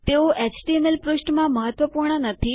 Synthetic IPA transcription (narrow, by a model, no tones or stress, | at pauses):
t̪eoʔet͡ʃʈiemelpɾuʃʈmãməɦət̪ʋəpuɾɳənət̪ʰi